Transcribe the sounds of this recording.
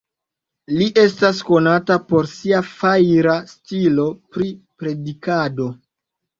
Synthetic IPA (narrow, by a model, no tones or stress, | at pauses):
liʔe̞stas̬ko̞natapo̞ɾsiafajɾastilo̞pɾi | pɾe̞dikado̞